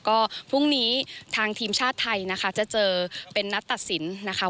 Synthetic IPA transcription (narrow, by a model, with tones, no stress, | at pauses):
kɔː˥˩pʰu˥˩ŋniː˦˥t̪ʰaː˧ŋt̪ʰiː˧mt͡ɕʰaː˥˩t̪ʰːa˧jna˦˥kʰa˦˥t͡ɕa˨˩t͡ɕɤː˧pe˧nːa˦˥t̪ːa˨˩t̪̚si˩˦nːa˦˥kʰa˦˥